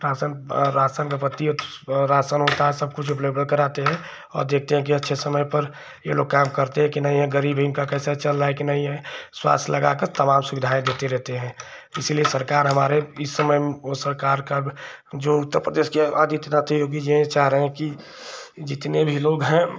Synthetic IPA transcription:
ɾaːsənɾaːsənkapət̪ːiɾaːsənɦot̪aɦɛsɐb̚kʊt͡ʃʰʊpljebʱə̃ɽkəɾaːt̪eɦɛ̃ | ɔ̰ːɾd̪eːk̚ʰt̪eɦɛ̃k̬iɐtːʃʰesəməjpəɾ | jḛloːɡ̚kaːmkəɾt̪eɦɛ̃kinəɦĩɦɛ̃ɡəɾiːbʱibkakɛːsat͡ʃəlːaekinəɦĩɦɛ̃swa̰ːst̪ʰləɡakəɾt̪əmaːmsʊʋɪd̪ʱaːẽd̪eːt̪eɾɛɦt̪eɦɛ̃ | ɪsiliesəɾkaːɾɦəmaːɾeɪsːəməjmosəɾkaːɾkad͡ʒoːʊt̪ːəɾpɾəd̪eːʃkea̰ːd̪it̪nat̪ʰiɦoːɡid͡ʒeẽt͡ʃaːɦɾəɦɛ̃ki | d͡ʒɪt̪nebʱiloːɡɦɛ̃

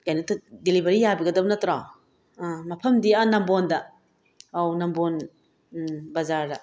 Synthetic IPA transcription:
kajnɐtʰdelibɐɾijabɐɡɐdɐbunɐtɾa | mɐpʰɐmdianɐmbondɐ | awnɐmbon | bɐzaɾdɐ

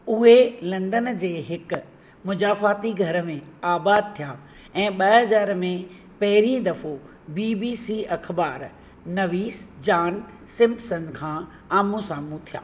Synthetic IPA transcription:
ʊɦelɐ̃nd̪ənd͡ʑeːɦɪkʊ̆ | mʊd͡ʑaːfaːt̪iɡʱɐɾə̆mẽaːbaːd̪̚t̪ʰijaː | ɛ̃ːɓɐɦɐzaːɾmẽ | pɐɦɪɾĩd̪ɐfo | biːbiːsiɐkʰbaːɾ | nɐʋiːsd͡ʑaːn | sɪ̃mpsənkʰãː | aːmũsaːmũt̪ʰija̰ː

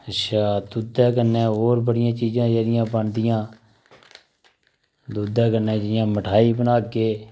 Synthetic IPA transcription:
əʃʰaːd̪ud̪ɛ̃ːkənɛːoːɾbəɽɪjãːt͡ʃiːzãːd͡ʒeːɾɪjãːbəɳd̪ɪjãː | d̪uːd̪ãːkənɛ̃ːd͡ʒəɽɪjãːməʈʰaːiːbənaːkeː

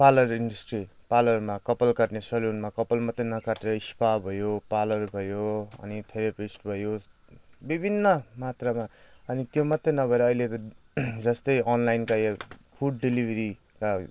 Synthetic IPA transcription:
palʌriɳɖʌsʈri | palʌrmakʌpʌlkaʈnesʌlunmakʌpʌlmʌt̪ːenʌkaʈeɾʌispabʱʌjopalʌrbʱʌjoʌ̰nit̪ʰeɾʌpisʈbʱʌjo | bibʱinːʌmat̪ramaʌnit̪jomʌt̪ːenʌbʱʌeɾʌːilet̪ʌ | d͡zʌst̪ʌjʌnlajnkajpʰuɽɖilibʱʌɾi | ka

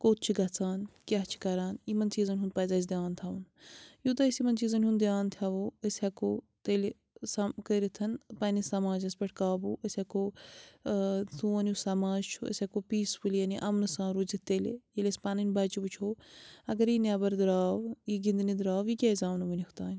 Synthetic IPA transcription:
koːt̪̚t͡ʃʰiɡɐt͡saːnkʲaɦt͡ʃʰi̥kɐɾaːnjimɐnt͡ʃiːzɐnʲɦund̪̚pɐːzaːz̬d̪ʲjaːnt̪ʰaːwunjut̪ɐisimɐnt͡ʃiːzɐnʲɦũnd̪d̪jaːnt̪ʰaʋoːəsʲɐkoː | t̪eːl | sɐkəɾit̪ʰɐnpɐnisɐmaːd͡ʒɐsbʲɐʈʰkaːbuːəsʲɐkoː | t̪uɐnjusɐmaːd͡ʒt͡ʃʰuɐ̰sʲɐkoːpiːsbuljɐniʔɐmnɨsãːnɾuzit̪eːlḛjelʲɐsʲpaːnɐnʲbɐːt͡ʃibut͡ʃʰoːɐɡɐɾinabɐɾd̪ɾaːwjiɡind̪nid̪ɾaːʋjikʲaːizʲaːʋnɐʋinikʰt̪aːnʲ

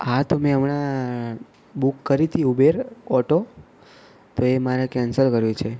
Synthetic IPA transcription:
ɦat̪omẽəmɳa | bukːəɾit̪ʰiubeɾɔʈo | t̪oemaɾakɛnsəɾkəɾjũt͡ʃʰe

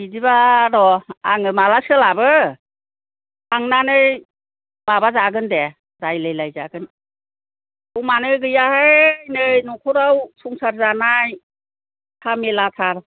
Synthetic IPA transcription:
idibaɾɔaŋɯmalasɯlabɯ | aŋnanɯj | mabazaɡɯnde | dajlajlajzaɡɯn | uwmanɯɡɯjahenɯjnɔkʰuɾawsuŋsaɾzanaj | tʰamelatʰaɾ

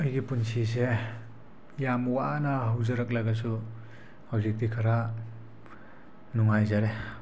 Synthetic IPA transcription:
ʌjɡipunsis̬e | jamwanaɦawzɐɾɐk̚laɡas̬u | hawzik̚dikʰaɾa | nuŋajzaɾe

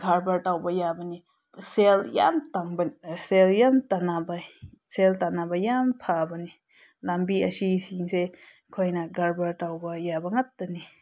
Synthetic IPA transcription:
ɡʱaɾbaɾtawbɐjabani | selja̰mtaŋbənseljamtanaba | seltanabajampʰabɐni | lambiɐsisiŋse | kʰojnaɡaɾbaɾtawbɐjabɐŋatːani

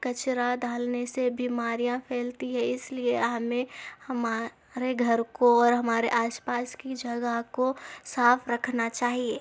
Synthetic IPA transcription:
kɐt͡ʃɾad̪ʱaːlnesebiːmaːɾijãpʰeːlt̪iɦɛ̃ɪslieɦmẽhɐma | ɾeɡʱɐɾkoɔːɾɦɐmaːɾeʔaːspaːskid͡ʒɐɡəɦkosaːfʰɾɐkʰnat͡ʃaːɦieː

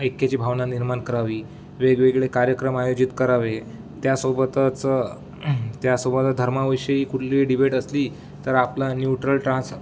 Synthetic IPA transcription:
ekːjat͡ɕiːbʱaʋnaniɾmaɳkəɾaʋiː | ʋeɡʋeɡɭekaɾjəkɾəmajod͡ʑit̪kəɾaʋe | t̪jasobət̪t͡sə | t̪jasobət̪əd̪ʱəɾmaʋiʂəiːkuʈʰliːɖibeʈəsliː | t̪əɾaplanjuʈɾəlʈɾãs

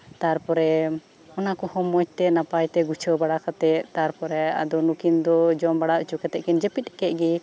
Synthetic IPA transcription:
t̪aɾpɔɾɛ | ɔnakɔhɔmːɔt͡ʃ̚t̪ɛnapajt̪ɛɡut͡ʃʰɔbaɽakat̪ɛʔt̪aɾpɔɾɛa̰d̪ɔnukind̪ɔd͡ʒɔmbaɽaʔut͡ʃukɛt̪ɛʔkɛnd͡ʒɛpit̪̚ɛkɛʔ̪̚ɡɛ

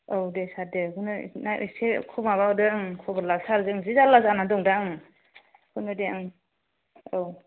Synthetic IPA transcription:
owdesadekunɯnaʔɯ̰sekʰumaβawdɯŋkʰɔbɯɾlasaɾzɯŋzizalazanadɔŋdaŋ | kʰunɯdeaŋ | ow

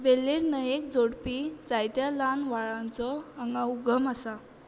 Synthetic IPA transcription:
ʋelːiɾnəjekd͡zoɽpid͡zajt̪jalanʋaɭãnt͡sɔaŋɡãuɡʱəmasa

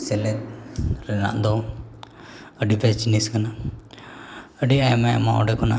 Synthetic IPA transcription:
sɛlɛt̪̚ɾɛna̰ʔd̪ɔ | əɖipɛt͡ʃiniskana | əɖiajmɛ̰ma̰ʔɔ̰ɖɛkɔna

